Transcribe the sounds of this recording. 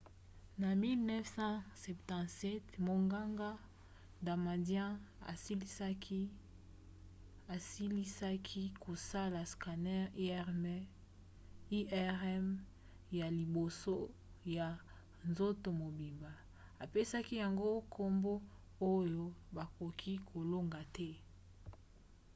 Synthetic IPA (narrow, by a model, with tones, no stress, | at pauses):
na˨mi˦lnɛ˦fsɑ̃˦sɛ˨ptɑ̃˨tsɛ˦tmo˨ŋɡa˦ŋɡa˦ | da˨ma˨djɛ̃˦a̰˨si˦li˦sa˦ki˦ | a˨si˦li˦sa˦kʰi˦ko˨sa˦la˨ska˨nɛ˦ʁi˦ɛ˦ʁme˦ | i˦ɛ˦ʁɛ˦m | ja˨li˨bo˨so˦ | ja˨ | nzo˦to˨mo˨bi˨mba˨ | a˨pe˦sa˦ki˦ja˨ŋɡo˦kʰo˦mbo˦ | o˦jo˦ba˨ko˨kʰi˦kʰo˨lo˦ŋɡa˨tɛ˦